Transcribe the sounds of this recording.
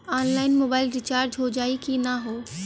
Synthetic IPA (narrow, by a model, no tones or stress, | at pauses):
aːnlaːɪnmoːbaːɪlɾɪt͡ʃaːɾd͡ʒɦod͡ʒaːikinɐɦoː